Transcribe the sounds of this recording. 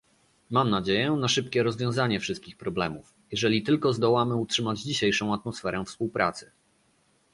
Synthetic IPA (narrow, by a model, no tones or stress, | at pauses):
mamnad͡ʑejɛnaʂɘp̚kʲɛɾɔzvʲjɔ̃w̃zaɲɛfʂɘst̪̚kʲixpɾɔblɛmuf | jɛʐɛlʲit̪ɘlkɔzd̪ɔwamɘutʂɘmad͡ʑd͡ʑiɕejʂɔ̃w̃at̪mɔsfɛɾɛfspuwpɾʔa̰t̪sɘ̥